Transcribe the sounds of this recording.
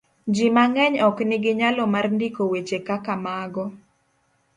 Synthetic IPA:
d͡ʒimaŋɛɲɔknɪɡɪɲalɔmarndikowet͡ʃekakamaɡɔ

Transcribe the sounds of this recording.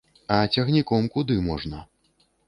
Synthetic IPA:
ɐt͡sʲɐɣnʲikɔmkud̪ɨmɔʐnɐ

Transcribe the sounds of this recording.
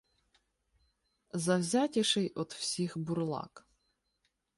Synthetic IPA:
zɐwzʲatʲɪʃɪjʔɔt̪w̥sʲixbʊrlˠɑ̰k

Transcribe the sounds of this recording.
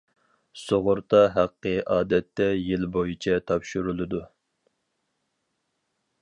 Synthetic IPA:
soʁʊɾt̪ʰɑɦæqːəʔɑːd̪ɛt̪ːɛjilbojit͡ʃʰɛt̪ʰɑpʃyɾulˠɨd̪u

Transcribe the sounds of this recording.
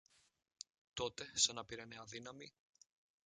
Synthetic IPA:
t̪o̞t̪e̞sɐnɐpiɾɐneɐðinɐmi

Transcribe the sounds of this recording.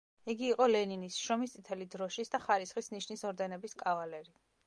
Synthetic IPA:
iɡiːqʼɔlɛninisʃɔmist̪sʼit̪ʰɛlid̪ɾɔʃisd̪aχaɾisχisniʃnisɔɾd̪ɛnɛbiskʼavalɛɾi

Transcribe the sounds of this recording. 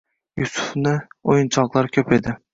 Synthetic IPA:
jusʊ̥fnɪojɪnt͡ʃʰɒqlˠaɾkʲʰɵpe̞d̪ɪ

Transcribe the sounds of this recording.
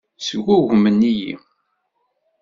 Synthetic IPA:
səɡʷuʝmənːijḭ

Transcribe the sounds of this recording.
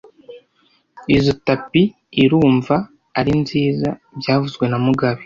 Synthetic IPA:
izotapiː | ɾuːɱvaː | ɾinziːzabɟaːvuzɡwe̞namuɡaβi

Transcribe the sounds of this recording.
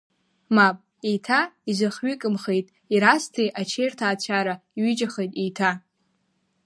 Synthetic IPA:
mapʼ | ejtʰaizɨχɥikʼɨmχejtʼ | iɾastʰijʔat͡ʃʰejrtʰaːt͡ɕʷʰaɾaiɥɪd͡ʒaχejtʼijtʰa

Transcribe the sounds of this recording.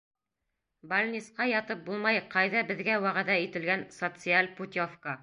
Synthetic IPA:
bɐlʲnʲisqɑjɑt̪ɤp̚bulˠmɑjqɑjðɑbɘ̆ðɡæwæʁæðæit̪ɘ̆lɡænsot̪sɨalʲput̪ʲofka

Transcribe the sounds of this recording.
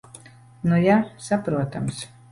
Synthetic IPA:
nujasapɾuɔt̪ams

